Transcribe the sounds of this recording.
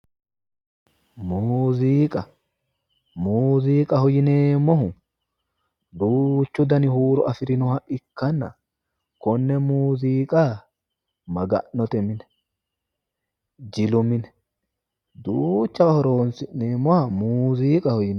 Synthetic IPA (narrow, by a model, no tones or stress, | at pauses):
muːziːkʼɐ | muːziːkʼɐhɔjɪneːmːɔhʊ | d̪uːt͡ʃːʊd̪ɐnɪhuːɾɔʔɐfɪɾɪnɔhɐʔɪkːɐnːɐ̰ | kɔnːɛmuːziːkʼa | mɐɡɐ̰ʔnːɔt̪ɛmɪnɛ̥ | d͡ʒɪlʊmɪnɛ̥ | d̪uːt͡ʃːɐhɔɾo̞ːnsɪnːeːmːɔhɐmuːziːkʼɐhɔjɪn